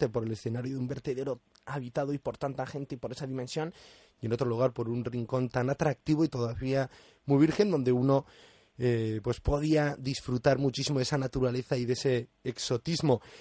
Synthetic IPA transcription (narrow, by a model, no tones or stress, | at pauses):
t̪e̞po̞ɾe̞le̞sθe̞naɾjoðumbe̞ɾt̪e̞ðe̞ɾo̞ | aβit̪aðoipo̞ɾt̪ant̪axe̞nt̪eipo̞ɾe̞saðimẽnsjo̞n | je̞no̞t̪ɾo̞luɣ̞aɾpo̞ɾunriŋko̞nt̪anat̪ɾak̚t̪iβ̞o̞it̪o̞ðaβia | muiβ̞iɾxe̞nd̪õ̞nd̪e̞uno | epwe̞spo̞ð̞iaðisfɾut̪aɾmut͡ʃisimoð̞esanat̪uɾale̞θaiðe̞se̞ːkso̞t̪izmo̞